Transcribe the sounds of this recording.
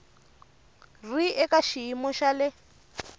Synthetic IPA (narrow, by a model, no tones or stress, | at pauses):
riɛkaʃiimɔʃalɪ